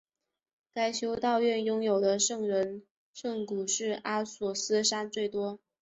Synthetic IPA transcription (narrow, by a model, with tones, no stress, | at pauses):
ka˥ɪt͡ɕʰjo˥ʊt̪ɑ˥˧ʊɥɛ˥˩njʊ˥ŋjo˨˩ʊd̪ə˦ʂɤ˥˩ŋɻə˧˥n | ʂɤ˥˩ŋku˨˩ʂɻ̩˥˩ʔa˥sɔ˧˥sɹ̩˥ʂa˥nt͡swe˥˩ɪt̪wɔ˥